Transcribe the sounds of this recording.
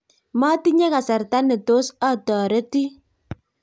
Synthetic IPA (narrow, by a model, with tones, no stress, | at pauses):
ma˦ti˦ɲɛ˦ka˨sa˨ɾta˦nɪ˨to˦sa˦tɔ˨ɾe˦ti˦